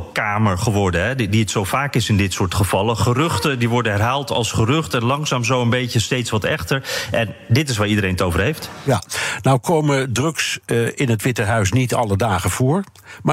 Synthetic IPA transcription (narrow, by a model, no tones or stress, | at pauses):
kaːməɹχəʋɔɹdənɦɛdiətsowvaːkɪsɪndɪtsʊːɹtχəvɑləχərʏχtədiʋɔɹdənɦɛɹɦaːlˠtɑ̰lˠsχərʏχtɛnlɑŋsaːmzowənbejcəstejtsʋɑtɛχtəɹʔɛndɪtɪs̬ʋaːɹidəɾejnətowvəɹɦeftjanawkowmədrɵksɪnətʋɪtəɦœɥs̬nitɑ̰lədaːχəv̥ʊːɹ | ma